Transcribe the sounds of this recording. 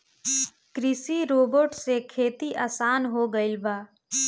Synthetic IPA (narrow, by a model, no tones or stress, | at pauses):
kɾɪsiɾoːbəɾʈsekʰeːt̪iʔaːsaːnɦoɡəɪlbaː